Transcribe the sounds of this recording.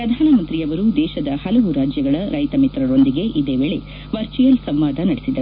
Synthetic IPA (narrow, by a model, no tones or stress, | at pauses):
pɾɐd̪ʱaːnɐmɐnt̪ɾiɐʋɐɾud̪ɛːʃɐd̪ɐhɐlɐʋuɾaːd͡ʒjɐɡɐɭɐɾɐjt̪ɐmit̪ɾɐɾo̞nd̪iɡe̞ʔid̪eːʋeːɭe | ʋɐɾt͡ʃijɐlsɐmʋaːd̪ʱɐnɐɽesid̪ːɐɾu